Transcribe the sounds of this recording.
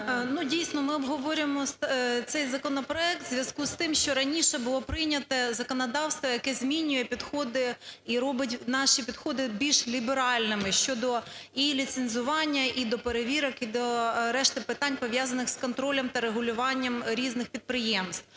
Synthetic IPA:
nudʲijsnɔmɪɔbɦɔʋɔɾʲɪmɔst̪t̪sɛjzɐkɔnɔpɾɔɛk̚t̪zʲʋʲjɐskust̪ɪmʃt͡ʃɔɾɐnʲiʃɛbʊlˠɔpɾɪjnʲɐt̪ɛzɐkɔnɐd̪ɑwst̪ʋɔjɐkɛzʲmʲinʲʊjɛpʲid̪xɔd̪ɪiɾɔbɪtʲnɑʃipʲid̪xɔd̪ɪbʲilʲʃlʲibeɾɑlʲnɪmɪʃʲt͡ʃɔd̪ɔilʲit̪senzʊʋɑnʲːɐʔid̪ɔpeɾeʋʲiɾɔkid̪ɔɾɛʃt̪ɪpɪt̪ɑnʲpɔʋʲjɑzɐnɪxskɔnt̪ɾɔlʲɐmt̪ɐɾeɦʊlʲʊʋɑnʲːɐmɾʲiznɪxpʲid̪̚pɾɪjɛmst̪

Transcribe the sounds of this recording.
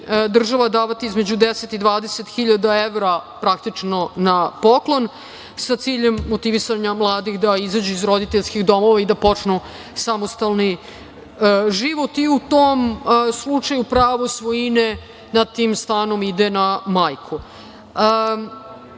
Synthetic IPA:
d̪r̩ʒaʋad̪aːʋat̪iizme̞d͡ʑud̪eset̪id̪ʋaːd̪eset̪xiʎad̪aeʋɾapɾak̚t̪it͡ʂno̞napo̞klo̞n | sat̪siːʎemːot̪iʋisaɲamlˠaːd̪ixd̪aizad͡ʑuizɾo̞d̪it̪eʎskixd̪o̞mo̞ʋaid̪apo̞t͡ʂnu | samost̪alˠni | ʒiʋo̞t̪iut̪oːmslˠut͡ʂajupɾaːʋosʋo̞jine | nad̪t̪iːmst̪aːno̞mid̪enamajkʰu

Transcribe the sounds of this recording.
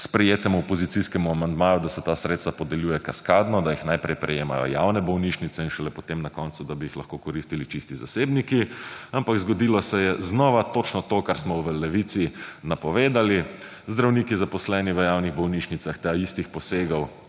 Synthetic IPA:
spɾɛjeːt̪ɛmuɔpɔzit̪siskɛmuamand̪maːjud̪asɛt̪asɾet̪st̪ʋapɔd̪ɛljuːjɛkaskaːd̪nɔd̪ajixnajpɾɛjpɾɛ̰jeːma̰jɔ̰ja̰wnɛbɔwniʃnit̪sɛinʃɛlɛpɔt̪emnakɔnt̪sud̪abiixlɐxkokɔɾist̪ilit͡ʃist̪iza̰sebnikiampakzɡɔd̪ilɔsɛjɛznɔʋat̪ot͡ʃnɔt̪okaɾsmɔʋəlɛʋit̪sinapɔʋeːd̪ali | zd̪ɾawniːkizapɔslɛniʋəjawniɣbɔwniʃnit̪axt̪aist̪ixpɔseːɡɔw

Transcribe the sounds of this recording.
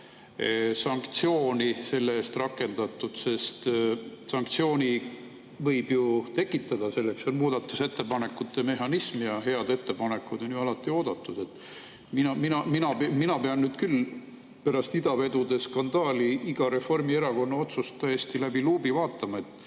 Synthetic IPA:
sɑŋkt̪sio̞ːnise̞lːeeːst̪rɑkːˑe̞nd̪̥ɑt̪ːˑud̪̥se̞st̪sɑŋk̚t̪sio̞ːnʲi | vɤjb̥jut̪e̞kːˑit̪ːˑɑd̪̥ɑse̞lːe̞kso̞nmuːd̪̥ɑt̪ːˑuse̞t̪ːe̞pɑne̞kːˑut̪ːˑe̞me̞ɦɑnismijɑɦe̞ɑd̪e̞t̪ːe̞pɑne̞kːˑud̪o̞njyɑlɑt̪ːˑio̞ːd̪̥ɑt̪ːˑud̪̥e̞t̪ːˑ | minɑminɑminɑpminɑpe̞ɑnnːyːd̪̥kyl | pæɾɑst̪id̪ɑve̞d̪ud̪e̞skɑnd̪̥ɑːliiɡ̥ɑɾe̞fo̞rmie̞ɾɑko̞nːɑo̞t̪sust̪ːæjest̪ilæbiluːbivɑːt̪ːˑɑmɑe̞t̪ˑː

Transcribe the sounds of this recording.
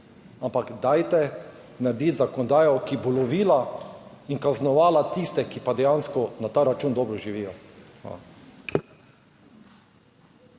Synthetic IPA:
ampaɡd̪ajt̪ɛ | naɾd̪it̪zakɔnɔd̪aːjɔkibɔlɔʋiːla | inkaznɔʋaːlat̪ist̪ɛkipad̪ɛjanskɔnat̪aːɾat͡ʃuːnd̪ɔːbɾɔʒiʋiːjɔ | a̰

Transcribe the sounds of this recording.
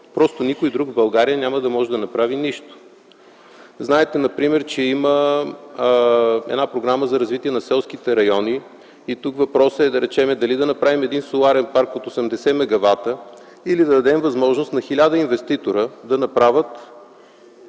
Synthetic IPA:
pɾɔst̪onikojd̪ɾuɡbɐlˠɡaɾijənʲaməd̪ɐmɔʒɛd̪ɐnɐpɾaviniʃt̪o̥ | znaɛt̪ɛnɐpɾimɛɾt͡ʃɛimə | ɛ̰d̪napɾoɡɾaməzɐɾɐzvit̪iɛnɐsɛlˠsk̟it̪ɛɾɐjɔni | it̪ukvɐpɾɔsəɛd̪ɐɾɛt͡ʃɛmɛd̪ɐlid̪ɐnɐpɾavimɛd̪insolˠaɾɛnpaɾkot̪osɛmd̪ɛsɛmɛɡɐvat̪ə | ilid̪ɐd̪ɐd̪ɛmvɐzmɔʒnost̪nɐxilʲad̪əinvɛst̪it̪oɾəd̪ɐnɐpɾavət̪

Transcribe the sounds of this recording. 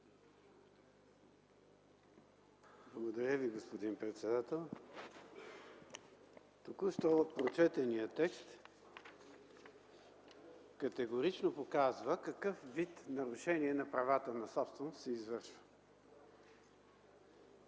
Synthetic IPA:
blˠəɡod̪ɐɾʲəviɡospod̪inpɾɛt̪sɛd̪at̪ɛlˠ | t̪okuʃt̪ɔot̪̚pɾot͡ʃɛt̪ənijət̪ɛkst̪ | kɐt̪ɛɡoɾit͡ʃnopokazvəkɐkɤfvit̪nɐɾʊʃɛniɛnɐpɾɐvat̪ənɐsɔpst̪vɛnʊst̪sɛizvɤɾʃvə̥

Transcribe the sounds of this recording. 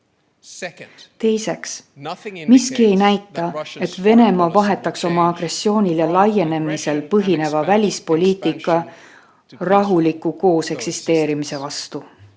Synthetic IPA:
t̪e̞jse̞ks | miskie̞jnæjt̪ːˑɑe̞t̪ve̞ne̞mɑvɑɦe̞t̪ːˑɑkso̞mɑɑɡ̥re̞sːio̞ːnʲiljɑlɑjːe̞ne̞mise̞lpɤɦine̞vɑvælʲispo̞lʲiːt̪ˑikːˑɑ | rɑɦulikːuko̞ːse̞ksist̪e̞ːɾimise̞vɑst̪u

